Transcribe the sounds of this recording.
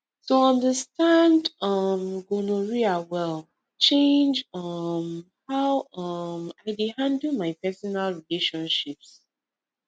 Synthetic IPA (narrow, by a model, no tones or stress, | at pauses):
tuɔ̃ndəstãndʌmɡonoɹiawɛl | t͡ʃẽnd͡ʒʌm | hawʌmaɪdihãndəlˠmaɪpɛsɔnalɹileʃɔ̃nʃips